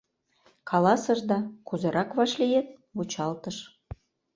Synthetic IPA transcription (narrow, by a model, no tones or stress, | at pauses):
kʰɑlɑsɤ̆ʒd̪ɑkuzɤ̆ɾʔɑkβɑʃlʲijet̪̚βut͡ɕɑlt̪ɤ̆ʃ